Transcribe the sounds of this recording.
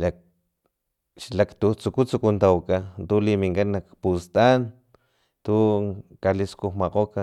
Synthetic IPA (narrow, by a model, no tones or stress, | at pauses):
la | ʃlakt̪ut͡sukut͡sukunt̪awkat̪ulimiŋkanːakpust̪an | t̪ukaliskuxmaqoka